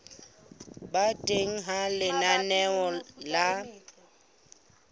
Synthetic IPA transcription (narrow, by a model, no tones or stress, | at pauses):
batʼeŋ̩ɦalɪnanɛɔla